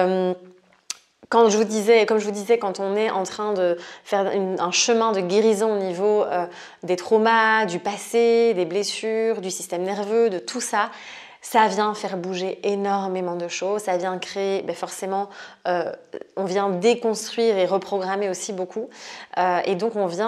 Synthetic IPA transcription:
øm | kɑ̃ʒəvud̪izɛkɔmʒəvud̪izɛkɑ̃t̪ɔ̃nɛʔɑ̃t̪χɛ̃d̪əfɛʁynɛ̃ʃəmɛ̃d̪əɡʲeʁizɔ̃onivoø | d̪et̪χɔmad̪ypased̪eblesyːʁd̪ysist̪ɛmnɛʁvød̪ət̪ʰusa | savjɛ̃fɛʁbuʒeenɔʁmemɑ̃d̪əʃoːzsavjɛ̃kχeebɛfɔʁsemɑ̃øɔ̃vjɛ̃d̪ekɔ̃st̪χɥiʁeʁəpχɔɡʁameosibokʰuøḛd̪ɔ̃kɔ̃vjɛ̃

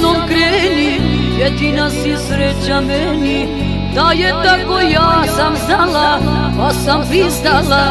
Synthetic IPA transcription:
nomkɾɛni | jɛd̪inasisɾɛt͡ɕamɛ | ni | d̪ajɛt̪akojaːsamzalapasamvizd̪ala

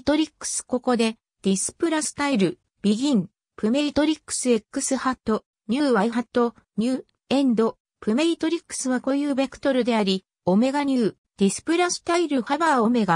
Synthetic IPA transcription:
t̪o̞ɾʲikːɯ̥sɨ̥ko̞ko̞d̪e̞ | d̪̥ʲisɨ̥pɯ̟ɾasɨ̥t̪aiɾɯ̟ | b̥ʲiɡʲĩŋ | pɯ̟me̞ɾʲit̪o̞ɾʲikːɯ̥sɨe̞kːɯ̟sɨhat̪ːo̞ | ɲ̟ʲɯːβaiɦat̪ːo̞ | ɲʲɨː | ẽ̞nd̪o̞ | pɯ̟me̞ɾʲit̪o̞ɾʲikːɯ̥sɨβako̞jɯ̟ːbekɯ̟̥t̪o̞ɾɯ̟d̪e̞aɾʲi | o̞me̞ɡaɲ̟ɨː | d̪̥ʲisɨ̥pɯ̟ɾasɨ̥t̪aiɾɯ̟habaːo̞me̞ɡa

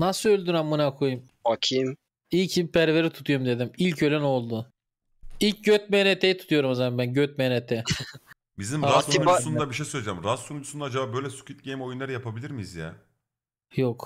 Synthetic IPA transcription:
nasɯølʲd̪ynamːunakʰojum | acʰim | icʰibpʰæɾveɾit̪ʰu̥t̪ʰujumd̪e̞d̪imilʲcʰø̞lʲæno̞lˠd̪ʊ | ilʲc̚ɟøt̪̚menet̪ʰejit̪ʰu̥t̪ʰujo̞ɾumazamanbænɟøt̪̚menet̪ʰɛ | bizimɾasnuasund̪abiʃejsøjlʲɛd͡ʒamɾasːunut͡ʃ̪ʰusund̪ad͡ʒabaːbø̞jlʲɛsu̥kʰit̪̚ɟejmo̞junlˠaɾɯjapʰabilʲiɾmizja̰ | jok

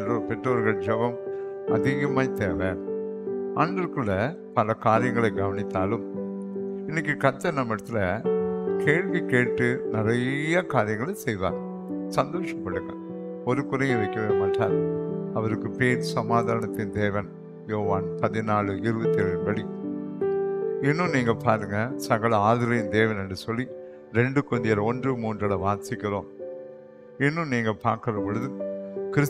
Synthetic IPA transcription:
ɐropɛʈroːɾɣɐɭd͡ʒɐʋɐm | ɐ̰ðɪɣɐmaːt̪eːʋeːn | aːɳɖɐɾkɯɭːɐ | pɐlɐkaːɾɪjɐŋɡɐɭɐɪɡɐʋɐnɪt̪ːaːlɯm | ɪnːɪk̬ːɯkɐɾt̪ːɐnɐmːɪɽɯt̪ːɪlɐ | kʰeːɻʋikeːʈːɯnɪɾɐjɐkaːɾɪjɐŋɡɐɭɐsɛjða̰ːɾ | sɐnd̪oːʂɐpːɐɽɯŋɡɐ̰ɭ | ɔɾɯkʊɾɐɪɪʋɐɪkːɐʋɐːmaːʈːa̰ːɾɐʋɐɾɯkːɯpeːɾsɐmaːðaːɾɐɳɐt̪ːɪnd̪eːʋɐn | joːʋaːnpɐðɪnaːɭɯʔɪɾɯbɐt̪ːɪɛɾɐɯmbɐɽi | ɪnːɯ̃niːŋɡɐpaːɾɯŋɡɐsɐɣɐɭɐaːðɪɾɐjɪnd̪eːʋɐnɛndrɯsɔlːi | ɾɛɳɖɯkɔnd̪ɪjɐɾɐɔndrɯmuːndrɐɽɐʋaːɾsɪkːɪroːm | ɪnːɯ̃niːŋɡɐpaːɾkɪɾɐpɔɭɯðɯkɪɾɪs

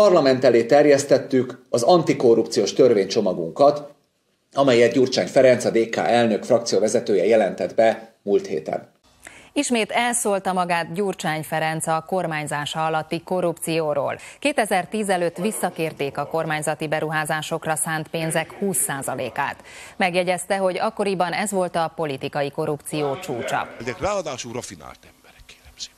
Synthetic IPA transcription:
ɒrlɒmɛnt̪ɛleːt̪ɛrjɛst̪ɛt̪ːykɒzɒnt̪iko̞rːup̚t̪sijoːʃt̪ørveːɲt͡ʃo̞mɒɡṵŋkɒt̪ | ɒmɛjɛt̪ɟuːrt͡ʃa̰ːɲfɛɾɛnt̪sɒd̪eːka̰ːʔɛlnø̞kfrɒk̚t̪sijovɛzɛt̪øːjɛjɛlɛnt̪ɛd̪bɛmult̪hḛːt̪ɛ̰n | iʃmeːt̪ɛlsoːlt̪ɒmɒɡaːt̪ɟuːrt͡ʃaːɲfɛɾɛnt̪sɒːko̞rmaːɲzaːʃɒːɒlɒt̪ːiko̞rupt̪sijoːɾo̰ːlkeːt̪ɛzɛrt̪iːzɛløːt̪ːʋisːɒkeːrt̪eːkɒko̞rmaːɲzɒt̪ibɛɾuɦaːzaːʃo̞krɒsaːnt̪peːnzɛkhuːsːaːzɒlḛːka̰ːt̪mɛɡjɛɟɛst̪ɛɦo̞ɟɒkːo̞ɾibɒnɛzʋo̞lt̪ɒpo̞lit̪ikɒjiko̞ɾupt̪sijoːt͡ʃuːt͡ʃɒ̰zɛkraːɒd̪aːʃurɒfina̰ːlt̪ɛmbɛɾɛkːe̥ːlɛmz̥e̥ː

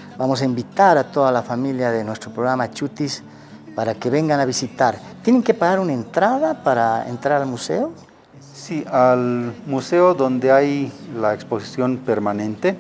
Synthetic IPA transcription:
bamos̬aimbit̪aɾat̪oðalafamiljaðenwest̪ɾopɾoɣɾamat͡ʃut̪is | paɾakeβeŋɡanaβisit̪aɾt̪jeneŋkepaɣaɾunaent̪ɾaðapaɾaḛnt̪ɾaɾalmusḛo | sialmuseoðond̪eajlaeksposi̥sjonpeɾmanẽnt̪e

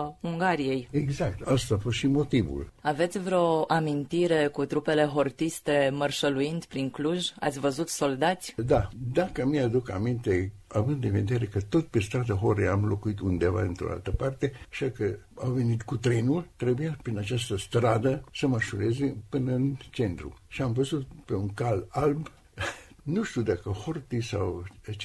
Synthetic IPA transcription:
uŋɡaɾije̞jeɡzak̚t̪ast̪aafost̪ʃimo̞t̪ivṵlave̞t̪sʲvɾeo̞ʔamint̪iɾe̞kut̪ɾupe̞le̞ɦo̞rt̪ist̪e̞mərʃəluind̪pɾiŋkluʒa̰t̪sʲvəzut̪so̞ld̪at̪sʲd̪ad̪akəmiad̪uka̰mint̪e̞avɨnd̪ɨnved̪eɾekət̪o̞t̪pe̞st̪ɾad̪əɦoɾeamlo̞kuit̪und̪e̞va̰d̪int̪ɾo̰a̰lt̪əpart̪eaʃakəawve̞nit̪kut̪ɾe̞nult̪ɾebujapɾinat͡ʃast̪əst̪ɾad̪əsəmərʃuɾezepɨnəɨnt͡ʃe̞nt̪ɾṵʃiamvəzut̪̚pe̞uŋkalalb | nuʃt̪iud̪akəhort̪isawt͡ʃ

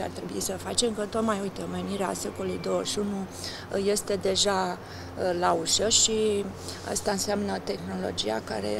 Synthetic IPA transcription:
a̰rt̪ɾe̞buisəfat͡ʃe̞mkət̪o̞t̪majujt̪eome̞niɾea̰se̞ko̞lujd̪o̞wəʃunu | je̞st̪e̞d̪e̞ʒa | lauʃəʃi | a̰st̪aɨnseamnət̪e̞xno̞lo̞̰d͡ʒija̰ka̰ɾe̞̰

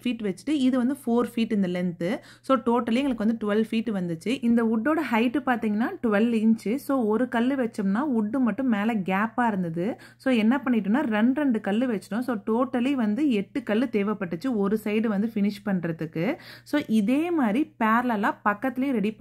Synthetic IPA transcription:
fiːʈʋɛt͡ʃːɯ̥ʈːɯɪðɯʋɐnd̪ɯfoːɾfiːʈːɪnd̪ɐlɛnt̪ɯ | soːʈoːʈːɐliɛŋɡɐɭɯkːʋɐnd̪ɯʈʊʋɛlfiːʈːɯʋɐnd̪ɯt͡ʃːɯʔɪnd̪ɐʊɖːoːɽɐɦɐɪʈːɯpaːɾt̪iːŋɡɐnːaːʈʊʋɛlʋɪɲt͡ʃɯsoːɔɾɯkɐlːɯʋɛt͡ʃːɯmnaːʊɖːɯmɐʈːɯ̃mːeːlɛɡaːpaːɪɾɯnd̪ɐðɯ | soːɛnːɐpɐɳːɪʈːɯnːaːɾɛɳɖɾɛɳɖɯkɐlːɯʋɛt͡ʃːɪ̥ʈʊ̃soːʈoːʈːɐliʋɐnd̪ɯɛʈːɯkɐlːɯt̪eːʋɐpːɐʈːɯt͡ʃːɯɔɾɯsɐɪɽɯʋɐnd̪ɯfɪnɪʂpɐɳːɾɐðɯkːɯsoːʔɪðeːmaːd̪ɾipaːɾlɐlãːpɐkːɐt̪ːɪlɐjʊ̃ɾɛɽip

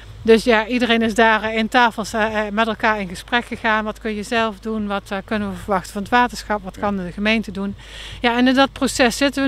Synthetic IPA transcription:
dɵsjaːidərejnɪzdaːrɪntaːfəlˠsmɛtɛlˠkaːɹɪnɣəsprɛkχəɣaːnʋɑtkɵnjəzɛlˠfdunʋɑtkɵnənʋəvəɹʋɑxtəvɑnətʋaːtəɹsχɑpʋɑtkɑndəɣəmejntədun | jaɛnɪndɑt̚prosɛsːɪtəʋə

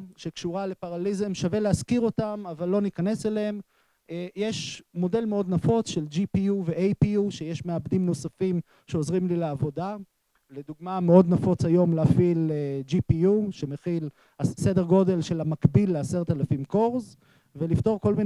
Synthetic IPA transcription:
ʃekʃuʁale̞paʁalizemʃaveleaskiʁo̞tamavalːo̞nikane̞seleem | jeʃmo̞de̞lmeo̞d̪nafo̞t͡sʃeld͡ʒipijuveʔejpiuʃe̞jeʃmeabd̪imno̞safim | ʃeozʁimlileavo̞da | le̞d̪uɡmame̞o̞d̪nafo̞t͡sajo̞mlafiled͡ʒipijuʃe̞meχil | asede̞ʁɡo̞de̞lʃelamakbilːease̞ʁt̪alafimko̞ʁz | ve̞lift̪o̞ʁko̞lmin

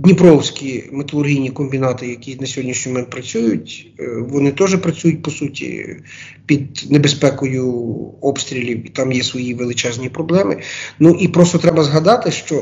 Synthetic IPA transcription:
d̪ʲnʲipɾɔwsʲkʲimet̪ɐlˠʊrɦʲijnʲikɔmʲbʲinɑt̪ɪjɐkʲinɐsʲɔɦɔdʲnʲiʃnʲimɔmɛnpɾɐt͡sʲujʊtʲ | ʋɔnɪt̪ɔʒɛpɾɐt͡sʲujʊt̚ʲpɔsutʲḭ | pʲid̪̚nebespɛkɔjʊɔpst̪ɾʲilʲiwit̪ɑmjɛsʋɔjiʋelˠɪt͡ʃɛzʲnʲipɾɔblˠɛmɪnuʔipɾɔst̪ɔt̪ɾɛbɐzɦɐd̪ɑt̪ɪʃt͡ʃɔ

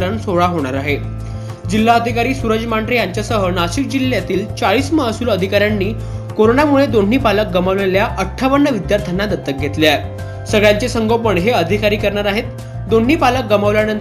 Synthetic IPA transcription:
ɾənsoɭaɦoɽ̃aɾaɦe | d͡ʑil̤ːaəd̪ʱikaɾiːsuɾəd͡ʑmaɳɖɾejaɲt͡ɕjasəɦənaɕik̚d͡ʑilːjat̪iːlt͡saɭiːsməɦasuːləd̪ʱikaɾjanːiː | koɾonamuɭed̪on̤ːiːpalək̚ɡəmaʋleljaʔəʈʰːaʋənːəʋid̪jaɾt̪ʰənad̪ət̪ːək̚ɡʱet̪lea | səɡɭjaɲt͡sesəŋɡʱopəɳɦeəd̪ʱikaɾiːkəɾɳaɾaɦet̪ | d̪on̤ːiːpalək̚ɡəmaʋljanən

